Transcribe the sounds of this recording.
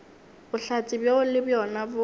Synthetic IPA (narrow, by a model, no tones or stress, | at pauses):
bʊɬat͡sʼɪbjaʊlɪbjɔnabʊ